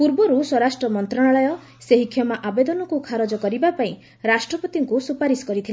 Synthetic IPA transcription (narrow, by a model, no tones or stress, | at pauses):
puɾbɔɾusɔɾasʈɾɔmɔnt̪ɾɔɽ̃aɭɔjɔ | seɦikʰjɔmaʔabed̪ɔnɔkukʰaɾɔd͡ʒɔkɔɾibapaĩ | ɾasʈɾɔpɔt̪iŋkusupaɾisɔ̥kɔɾit̪ʰila